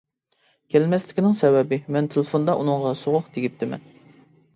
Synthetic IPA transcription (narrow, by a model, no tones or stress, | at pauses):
kʲʰɛlmɛslɪ̥kʲinɪŋsɛbɛbɪmɛnt̪ʰelɪfond̪ɑʔunɨŋʁɑsoʁʊqd̪eɡʲip̚t̪ʰɪmɛ̰n